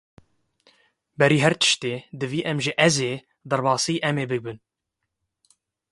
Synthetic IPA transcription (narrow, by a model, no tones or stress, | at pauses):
bɛɾiːɦɛɾt̪ʰɨ̥ʃt̪eːd̪ɨviːʔɛmʒɨʔɛzeː | d̪ɛɾbɑːsiʔɛmeːbɨbɨn